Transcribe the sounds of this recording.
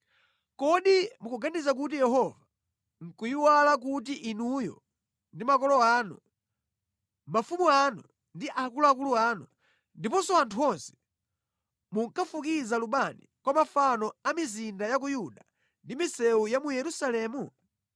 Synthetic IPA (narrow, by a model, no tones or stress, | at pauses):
kɔɗimukuɡanizak̬ut̬ijɛɦɔva | ŋ̩kujiwalak̬ut̬iʔinujɔ̰ | ndimakɔlɔaːnṵ | mafumuanu | ndiʔakuluak̬uluaːnu | ndipɔsɔantʰuɔnsɛ̥ | muŋkʰafukizaluɓanikwamafanɔamizindajak̬ujuɗa | ndimisɛujamujɛɾusalɛmu